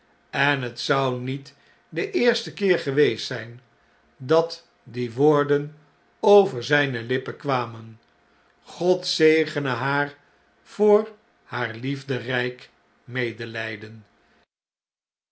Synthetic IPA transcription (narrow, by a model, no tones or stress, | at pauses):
ɛnɦətsʌwnit | dəʔɪːɹstəkɪːɹχəʋejstsɛjn | dɑt | diʋʊːɹdən | owvəɹzɛjnəlɪpəkʋaːmən | χɔtsejχənəɦaːɹ | v̥ʊːɹ | haːɹlivdərɛjk | mejdəlɛjdən